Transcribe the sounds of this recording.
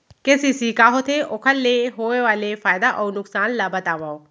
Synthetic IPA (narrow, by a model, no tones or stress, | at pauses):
keːsisikaɦot̪ʰeʔoːkʰəlːeɦoːeʋaːlefaːjd̪aʔɔːɾnʊksaːnlabɐt̪aːʋao